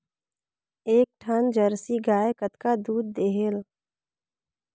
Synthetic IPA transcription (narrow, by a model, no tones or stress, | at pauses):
eːk̚ʈʰənd͡ʒəɾsiɡaːekət̪kad̪uːd̪̚ːeːɦel